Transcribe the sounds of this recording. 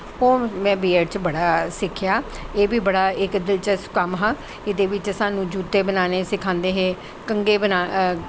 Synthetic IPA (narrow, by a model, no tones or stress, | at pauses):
oːmɛ̃ːbeːəɾt͡ʃbəɽaːsɪkʰːjaːeːbiːbəɽaːɪkd̪ɪlt͡ʃəskəmɦãː | ɪd̪eːʋɪt͡ʃəsãːnũːd͡ʒuːt̪ːeːbənaːneːsɪkʰãːnd̪eːɦeː | kəŋɡeːbənaː